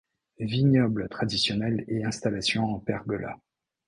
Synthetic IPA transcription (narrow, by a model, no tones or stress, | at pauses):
viɲɔblət̪χad̪isjɔnɛleɛ̃st̪alasjɔ̃ɑ̃pɛʁbəla̰